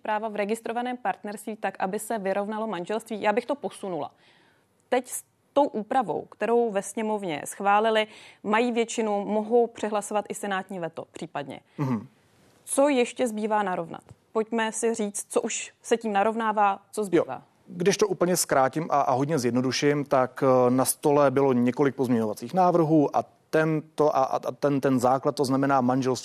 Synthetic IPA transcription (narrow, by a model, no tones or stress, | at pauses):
pɾaːvavɾɛɡɪst̪ɾo̞vanɛːmpaɾt̪nɛɾst̪viːt̪akʔabɪsɛvɪɾo̞vnalo̞manʒɛlst̪viːjaːbɪxt̪o̞po̞sunula̰ | t̪ɛcs | t̪o̞wʔuːpɾavo̞̰wkt̪ɛɾo̞wvɛsɲɛmo̞vɲɛ̰sxvaːlɪlɪmajiːvjɛt͡ʃɪnumo̞ɦo̞wpr̥ɛɦlaso̞vat̪ʔɪsɛnaːt̪ɲiːvɛt̪o̞̰pr̥iːpadɲɛ̰ | t͡so̞jɛʃcɛzbiːvaːnaɾo̞vna̰t̪po̞cmɛsɪr̝iːt͡st̪̚t͡soʔuʃsɛciːmnaɾo̞vnaːvaːt͡sozbiva̰ː | ɡdɪʃt̪oʔuːpl̩ɲɛskɾaːcɪmʔaʔaɦo̞dɲɛzjɛdnoduʃɪmt̪aknast̪o̞lɛbɪloɲɛko̞lɪk̚pozmɲɛɲo̞vat͡siːxnaːvr̩ɦuːʔa | t̪ɛnt̪oʔaʔa̰t̪ɛnt̪ɛnzaːklat̪̚ːoznamɛnaːmanʒɛlst̪ː